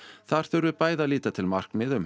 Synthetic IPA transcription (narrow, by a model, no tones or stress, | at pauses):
θaɾ̥θœɥɾʏpaːjðaliːt̪at̪ʰɪlmar̥knmɪðʏm